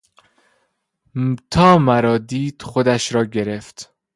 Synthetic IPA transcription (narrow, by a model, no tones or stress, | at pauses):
t̪ʰɒːmæɾɒːd̪iːd̪̥xod̪æʃɾɒːɟe̞ɾeft̪